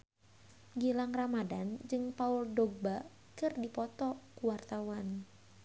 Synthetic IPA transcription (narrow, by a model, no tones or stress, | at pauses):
ɡilaŋramadand͡ʒɨŋpaʊldɔɡ̚ba | kɨrdipɔt̪ɔkuwart̪awan